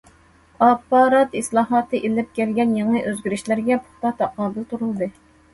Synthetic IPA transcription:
ɑpːɑːɾɑt̪islˠɑːɦɑːt̪ʰɨʔelɪp̚kʲɛlɡʲɛnjeŋɨʔøzɡʲyɾyʃlɪɾɡʲɛpʰʊ̥χt̪ɑt̪ʰɑqɑːbɪlt̪ʰuɾulˠɨd̪ɨ

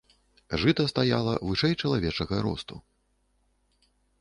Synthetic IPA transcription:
ʐɨt̪ɐst̪aja̰lˠɐ̰vɨʂɛjt͡ʂɐlˠavʲɛt͡ʂɐɣɐɾɔ̰st̪u

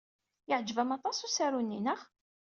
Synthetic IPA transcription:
jəʕd͡ʒːvæmɑt̪ˤɑsusæɾunːinəχ

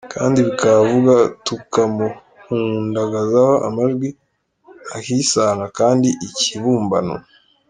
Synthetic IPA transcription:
kaːndiβikaβavuɡatukamu | huːndaɡazahoʔa̰maʒɡwi | ahisaːŋɡakaːndiʔiciβuːmba̰no̰

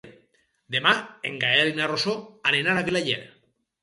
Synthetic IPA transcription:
d̪emaḛŋɡaelinarosoanenaɾakilaʎḛɾ

